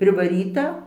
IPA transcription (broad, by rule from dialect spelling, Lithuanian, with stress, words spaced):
pʲrʲɪʋɐˈrʲiːtɐ